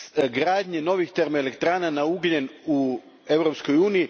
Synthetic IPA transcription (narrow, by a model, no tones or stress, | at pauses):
ɡɾaːd̪ɲeno̞ʋixt̪eɾmelekt̪ɾaːnanauɡʎenu | e̞ʋɾopsko̞juːniji